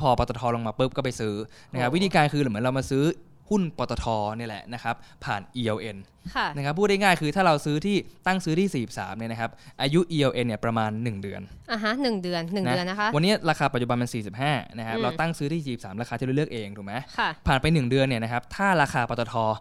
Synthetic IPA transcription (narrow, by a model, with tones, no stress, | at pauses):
pʰɔː˧pɔː˧t̪ɔ˧t̪ʰɔː˧lo˧ŋmaː˧pɯ˦˥p̚kɔː˥˩pa˧jsɯː˦˥na˦˥kʰa˦˥p̚wt̪ʰiː˧kaː˧nkʰɯː˧ɾːm˩˦ə˦ɾa˧wmaː˧sɯː˦˥ | hu˥˩npɔː˧t̪ɔ˧t̪ʰɔː˧ni˥˩əlɛ̰˨˩na˦˥kʰa˦˥p̚ʰːa̰ː˨˩nʔiː˧ʔe˧wʔe˧n | kʰa˧˩na˦˥kʰa˦˥pʰːuː˥˩t̚da˥˩ŋaː˥˩jkʰɯː˧t̪ʰaː˥˩ɾa˧wsɯː˦˥t̪ʰiː˥˩t̪a˥˩ŋsɯː˦t̪ʰiː˥˩siː˨˩p̚sa̰ː˩˦mni˥˩na˦˥kʰa˦˥p̚ʔaː˧ju˦˥ʔiː˧ʔe˧ʔe˧nːi˥˩əpɾa˧maː˧nːɯ˨˩ŋdɯ˧ənʔa˧˩ɦa˦˥nɯ˨˩ŋdɯ˧ənː˨˩ŋna˦˥˧nːa˦˥kʰa˦˥wa˧nːi˦˥ɾaː˧kʰaː˧pa˨˩t͡ɕu˨˩ba˧maː˧nsiː˨˩si˨˩p̚ɦaː˥˩na˦˥kʰa˦˥p̚ɾa˧t̪a˥˩ŋsɯː˦˥t̪iː˥˩siː˨˩i˩sa̰ː˩˦mɾaː˧kʰaː˧t̪ʰiː˥˩ɾlək̚ʔeː˧ŋt̪ʰuː˨˩kma˦jkʰa˥˩pʰaː˨˩npa˧jnɯ˨˩ŋdɯ˧ənːi˥˩na˦˥kʰa˦˥p̚t̪ʰaː˥˩ɾaː˧xʰaː˧pɔː˧t̪ɔ˧t̪ʰɔː˧